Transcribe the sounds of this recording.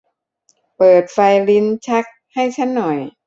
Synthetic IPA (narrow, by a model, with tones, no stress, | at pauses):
pɤː˨˩t̪̚fa˧jli˧˥nt͡ɕʰa˦˥k̚ | ha˥˩jt͡ɕʰa˦˥˨nːɔ˨˩j